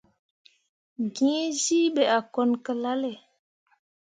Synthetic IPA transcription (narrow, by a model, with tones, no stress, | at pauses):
ɡĩ˨˦zi˦ɓe˨a˨kɔ˦nkə˨la˦lɛ˨